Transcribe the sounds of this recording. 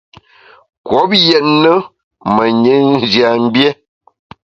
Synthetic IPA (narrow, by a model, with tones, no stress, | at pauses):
kwɔ˨˦p̚jɛ˨tnə˦ | mə˨ɲe˨˦n˦d͡ʒja˨m̩˦bje˦